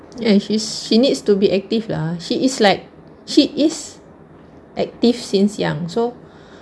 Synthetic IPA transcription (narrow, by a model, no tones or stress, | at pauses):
ɛ̃ʃisʃinitstubiʔɛk̚tiflaʃiislaɪk̚ | ʃiʔis | ʔɛk̚tifsĩnsjã̰ŋso